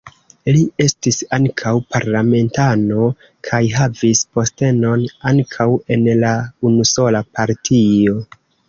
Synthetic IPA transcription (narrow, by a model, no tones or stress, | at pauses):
lie̞stisaŋkʰawpaɾlame̞ntano̞ | kʰajɦavispo̞ste̞no̞naŋkʰawe̞nlaunuso̞lapaɾtʰio̞